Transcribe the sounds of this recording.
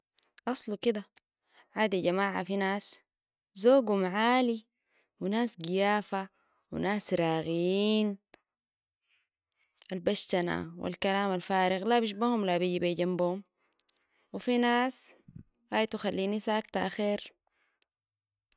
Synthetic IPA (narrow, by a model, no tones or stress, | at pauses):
ʔɑsˤlukid̪a | ʕaːd̪iɟamaːʕa̰finaːs | zoːɡhumaʕaːli | winaːsɡijaːfa | wḭnaːsɾaːɣijiːn | ʔalbaʃt̪ana̰wḭlkalaːmalfaːɾɪɣlabiʃ̬bahumlabiɟibaɟambuhum | wifinaːs | haːjt̪uxalːiːnisaʔakt̪aʔaxeːɾ